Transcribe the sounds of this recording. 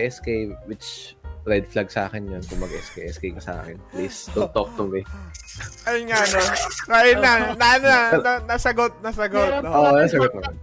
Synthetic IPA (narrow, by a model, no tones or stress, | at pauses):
ʔɛskejwɪt͡ʃɾɛd̪̚flaɡ̚sʔa̰ːkɪnjonkʊŋmɐɡɛskɛjʔɛskɛjkɐsɐʔa̰ːkɛnplist̪ʊt̪ok̚t̪ʊŋɡɛ | ʔɐjŋaʔɐnokaʔɪnanɐʔɐnoɐnɐnɐsɐɡot̪̚nɐsɐɡot̪̚oːʔnɐsɐɡot̪̚nɐman